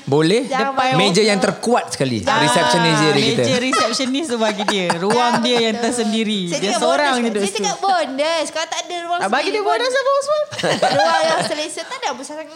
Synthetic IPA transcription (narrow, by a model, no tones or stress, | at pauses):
bolɛhdəpajmed͡ʒəjaŋt̪ərkuat̪̚sə̥kalḭɾisɛp̚sənisdiədimkit̪əd͡ʒəɾisɛp̚sənisəbaɡidiəɾuaŋdiəjaŋt̪ərsəndiɾidiəsoɾaŋdidot̪uəbondəsə̥kaɾat̪adəɾuaŋbaɡidiəbodəsəboosaɾuajasəlesəadabusas